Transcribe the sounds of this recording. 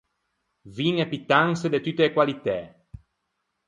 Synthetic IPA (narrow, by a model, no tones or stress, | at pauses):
vinepit̪ːaŋsed̪et̪ut̪ːelekwalit̪ɛ